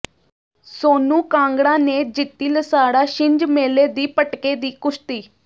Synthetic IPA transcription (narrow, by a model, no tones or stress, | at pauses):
soːnũːkãːŋɡɽãːneːd͡ʒɪt̪ːiːləsaːɽaːʃɪɲd͡ʒmeːleːd̪iːpəʈkeːd̪iːkʊʃt̪iː